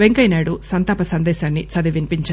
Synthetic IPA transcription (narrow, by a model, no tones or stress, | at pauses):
ʋeŋkɐjnaːɽusɐnt̪aːpɐsɐnd̪ɛːʃaːnːit͡ʃɐd̪iʋinpiɲt͡ʃa